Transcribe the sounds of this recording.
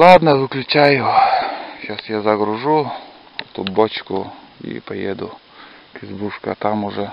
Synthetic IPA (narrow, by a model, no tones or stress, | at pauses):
lˠad̪nɐʋɪklʲʊt͡ʃajʊ | ʃasjazɐɡɾʊʐu | ɛt̪ʊbot͡ʃkʊ | ḭpɐjed̪ʊ | kɪzbuʂkɐt̪amʊʐɛ